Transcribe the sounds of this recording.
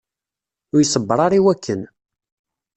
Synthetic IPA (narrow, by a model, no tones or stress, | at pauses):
ʊjsˤəbːəɾˤɑɾiwækːən